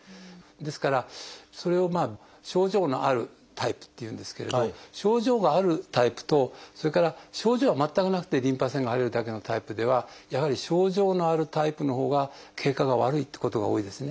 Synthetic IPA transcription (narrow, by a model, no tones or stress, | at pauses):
d̪e̞sɨ̥kaɾaso̞ɾe̞o̞maː | ɕo̞ːʑo̞ːno̞̰ʔaɾɯ̟ | t̪ʰaipɯ̥t̪ːe̞jɯ̟̃ːnd̪e̞sɨ̥ke̞ɾe̞̰d̪oɕo̞ːʑo̞ːɡaːɾɯ̟t̪aipɯ̟̥t̪o̞so̞ɾe̞kaɾaɕo̞ːʑo̞ːβamat̪ːakɯ̟nakɯ̟t̪e̞ɾʲĩmpasẽ̞ŋɡaɦaɾeɾɯ̟d̪ake̞no̞t̪aipɯ̟d̪e̞βajaɦaɾʲiɕo̞ːʑo̞ːno̞aɾɯ̟t̪aipɯ̟no̞ɦo̞ːɡakʰe̞ːkːaɡaβa̰ɾɯ̟it̪ːe̥ko̞t̪o̞ɡa̰o̞ːid̪e̞sɨne̞